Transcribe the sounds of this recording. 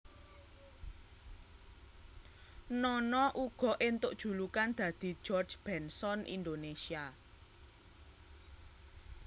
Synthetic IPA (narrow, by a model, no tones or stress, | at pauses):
nɔnɔʔuɡ̥ɔ̤ʔɪnt̪ʊʔd̥ʒ̥ṳlukand̪̥ä̤d̪̥i̤̥d͡ʒ̥ɔrd͡ʒb̥ɛnsɔnʔḭnd̪onesia